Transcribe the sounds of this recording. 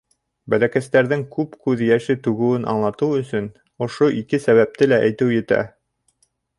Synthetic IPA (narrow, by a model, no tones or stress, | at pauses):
bælækæst̪æɾðɘŋkʉpkʉðjæʃɘt̪ʉɡɘ̆wɘnʔɑ̰ɴlˠɑt̪ɤwɵ̆sɵn | ŏʃoʔikɘsæβæp̚t̪ɘlæʔæjt̪ɘwjɘ̆t̪æ̰